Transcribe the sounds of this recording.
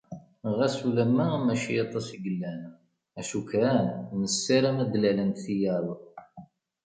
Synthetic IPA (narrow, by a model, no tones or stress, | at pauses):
ʁæsulæmːæmæʃijɑt̪ˤːɑsiɡəlːæn | æʃukɾænnəsːiɾæmæd̪lælənt̪θijæɾˤ